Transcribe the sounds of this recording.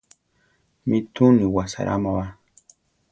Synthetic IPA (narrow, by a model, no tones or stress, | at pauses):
mit̪uniwasa̰ɾʔa̰maβa